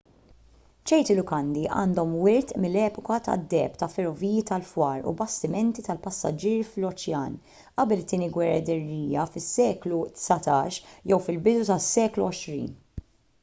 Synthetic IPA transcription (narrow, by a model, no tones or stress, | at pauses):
t͡ʃɛjt̪ɪlʊkɐnd̪iʔɐ̰ːnd̪ɔmwɪɾt̪mɪlːɛːpɔkɐt̪ɐ̰d̪ːɛːpt̪ɐfɛɾɔviːjit̪ɐlfwɐːɾṵbɐst̪ɪmɛnt̪it̪ɐlpɐsːɐ̰d͡ʒiːɾflɔt͡ʃjɐ̰ːn | ʔɐbɛlɪt̪ːiːniɡwɛrːɐd̪ɪrːiːjɐfɪsːɛːklut̪sɐt̪ɐːʃjɛwfɪlbɪd̪ut̪ɐsːɛːkluɔʃɾḭːn